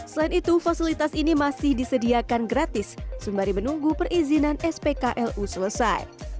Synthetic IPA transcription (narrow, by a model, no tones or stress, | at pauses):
səlainit̪ufasilit̪asinimasɪhdisədiakanɡɾat̪ɪsːumbaɾimənuŋɡupərʔizinanɛspekaʔɛlʔusələsa̰j